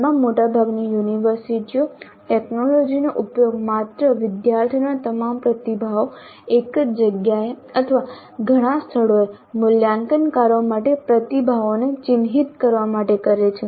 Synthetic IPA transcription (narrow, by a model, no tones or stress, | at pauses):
mãmːoʈabʱaɡnijuniʋəɾsiʈio | ʈeknolod͡ʒinoʔupjoɡ̚mat̪ɾəʋɪd̪jaɾt̪ʰinat̪əmampɾət̪ibʱao | ekd͡ʒəɡjae | ət̪ʰəʋa | ɡʱəɽ̃ãst̪ʰəɽo | mʊljaŋkənkaɾomaʈepɾət̪ibʱaʋonet͡ʃɪnɦit̪kəɾʋamaʈekəɾet͡ʃʰe